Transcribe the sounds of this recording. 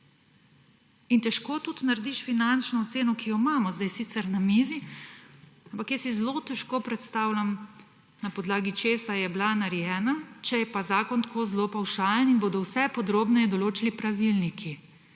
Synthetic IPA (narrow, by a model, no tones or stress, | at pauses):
int̪ɛʃkoːt̪ut̪naɾd̪iʃfinant͡ʃnɔːt̪seːnɔkijɔimaːmɔzd̪ajsit̪sɛɾnamizi | ampakjɛsizlot̪ɛʃkoːpɾɛt̪st̪aːwlʲam | napɔd̪laːɡit͡ʃeːsajɛblanaɾjɛːnat͡ʃɛjɛpazaːkɔnt̪koːzlopawʃaːlɛninboːd̪ɔwsɛpɔd̪ɾoːbnɛjɛd̪ɔloːt͡ʃilipɾaʋilnikʰi